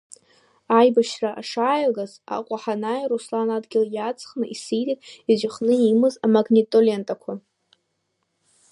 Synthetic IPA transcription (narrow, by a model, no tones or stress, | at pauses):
ajbaʃraʔaʂaːjɡaza̰qʷʼaħanajruslanadɡʲɪljat͡sʰʼχnɨʔisijtʼitʼid͡ʒʷɪχnɨimɨzamaɡnʲitʼole̞ntʼakʷʰa